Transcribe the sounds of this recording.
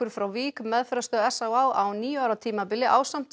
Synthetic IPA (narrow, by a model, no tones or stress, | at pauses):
ʏɾ̥fɾawviːkmɛðfɛɾast̪œːðɛsawaːwawniːjʏawɾat̪ʰiːmapɪlɪʔa̰ːwsam̥t̪